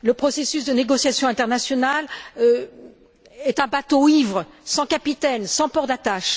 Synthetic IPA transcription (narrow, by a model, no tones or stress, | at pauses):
ləpχɔsesysd̪əneɡɔsjasjɔ̃ɛ̃t̪ɛʁnasjɔnalø | ɛt̪ɛ̃bat̪oivʁəsɑ̃kapit̪ɛnsɑ̃pɔʁd̪at̪aʃ